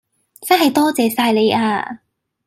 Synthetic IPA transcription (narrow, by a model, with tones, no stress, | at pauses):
t͡sɐ˥nɦɐ˨jt̪ɔː˥t͡sɛː˨˧saː˧jle˨˧jʔaː˧